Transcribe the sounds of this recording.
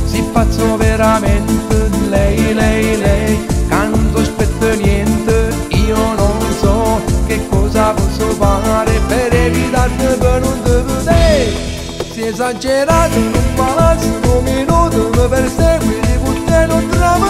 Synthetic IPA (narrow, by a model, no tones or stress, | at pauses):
sipːat̪sːoveɾamɛnt̪əlɛjlɛjlɛjkant̪ospɛt̪ːənjɛnt̪ə | iːononsɔkekːɔːzapɔsːofaɾepeɾevit̪aɾnəpənund̪əðəd̪ɛj | siɛzad͡ʒeɾat̪ənuŋpalasokominut̪əməpeɾsɛid̪iput̪ːenot̪ɾaə